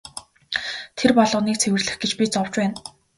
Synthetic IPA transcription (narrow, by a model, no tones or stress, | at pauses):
t̪ʰerpɔɮʊ̆ːniːk̚t͡sʰewɘ̆rɮɘ̆xɡet͡ɕpʲiːt͡sɔwt͡ɕpæːn